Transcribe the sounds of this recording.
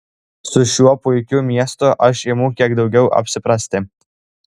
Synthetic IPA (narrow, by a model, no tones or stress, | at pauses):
sʊʃʲuɔpʊjkʲʊmʲiɛst̪oʔɐʃimukʲiɛɡd̪ɒʊɡʲɛʊʔɐ̰pʲsʲɪpɾɑsʲt̪ʲɪ